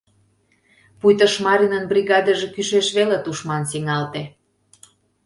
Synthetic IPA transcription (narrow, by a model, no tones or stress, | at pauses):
pujt̪əʃmɑɾinənbriɣɑd̪əʒekyʃeʃβelet̪uʃmɑnsiŋɑlt̪e